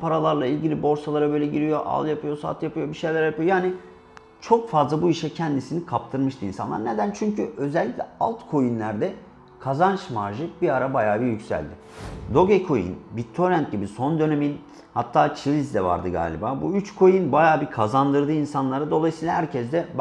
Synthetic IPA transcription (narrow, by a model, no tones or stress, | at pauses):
pʰaɾalˠaɾlˠailʲɟilʲibo̞ɾsalˠaɾabø̞ːlʲɛɟiɾijo̞ʔa̰lˠjapʰɯjo̞sa̰t̪japɯjo̞biʃejlʲæɾjapɯjo̞jaːni | t͡ʃʰo̞kfazlˠabuiʃɛcʰɛnd̪isinikʰap̚t̪ʰɯɾmɯʃt̪ʰɯinsanˠa̰ɾne̞d̪ænt͡ʃʰyɲcʰyʔø̞zɛlʲːiclʲɛa̰lˠt̪kʰo̞jinlʲæɾd̪ɛ | kʰazant͡ʃmaɾʒɯbiaɾabajaːbijycsæ̰lʲd̪ɪ | d̪o̞ɡekʰo̞jɯ̰nbit̪ʰːo̞ɾɛnt̪̚ɟibiso̞nd̪ø̞ne̞min | hat̪ʰːaːt͡ʃʰilʲizd̪ɛva̰ɾd̪ɯɡa̰ːlʲḭbaːbuyt͡ʃkʰo̞jinbajaːbikʰazand̪ɯɾd̪ɯːinsanlˠaɾɯd̪o̞lˠajɯsiːlˠahæɾcʰɛzd̪ɛb